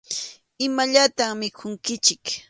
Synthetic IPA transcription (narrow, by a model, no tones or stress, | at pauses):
ɪmaʎat̪aŋmɪkʰʊŋkɪt͡ʃɪk